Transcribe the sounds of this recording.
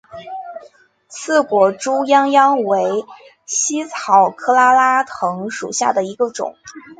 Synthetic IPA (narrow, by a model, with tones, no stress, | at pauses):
sʰɹ̩˥˩kwɔ˨˩ʈ͡ʂu˥jɑ˥ŋjɑ˥ŋwe˧˥ɪ | ɕi˥t͡sʰɑ˨˩ʊkʰɤ˥˧la˥la˥t̪ʰɤ˧˥ŋʂṵ˨˩ɕja̰˥˩d̪ə˩i˧˥ɡə˧ʈ͡ʂʊ̰˨˩˦ŋ